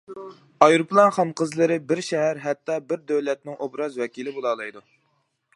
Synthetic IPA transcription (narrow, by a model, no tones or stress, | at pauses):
ɑjɾuplˠɑnχɑnqʰəzlˠɨɾɪbɪɾʃɛɦæɾɦæt̪ːɑbɪɾd̪øwlɛt̪̚nɪŋʔobɾɑzwɛkʲilɪbolˠɑlˠɨjd̪u